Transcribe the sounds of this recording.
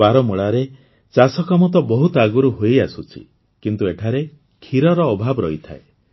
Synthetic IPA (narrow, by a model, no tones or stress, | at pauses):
baɾɔmuɭaɾe | t͡ʃasɔkamɔt̪ɔbɔɦut̪ɔaɡuɾuɦojasut͡ʃʰḭ | kint̪ueʈʰaɾe | kʰiɾɔɾɔːbʱabɔɾɔ̰it̪ʰa̰e